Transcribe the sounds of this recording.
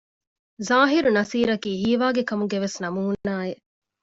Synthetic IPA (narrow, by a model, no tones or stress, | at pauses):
zaːɦiɾunɐsiːɾɐkiːɦiːʋaːɡekɐmuɡeʋesnɐmuɦunːaːe